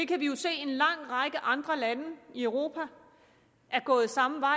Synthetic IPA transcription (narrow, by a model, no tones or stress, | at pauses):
d̥e̝kʰæʋijo̝se̝̰ːe̝nlɑ̈ŋ̰ʁɑ̈ɡ̥əʔɑ̈nd̥ʁɐlænəiœʊʁo̝ːpʰæ | ʔæɐɡ̥ɔ̰ːð̩ˠsɑ̈məʋɑ̈ɪ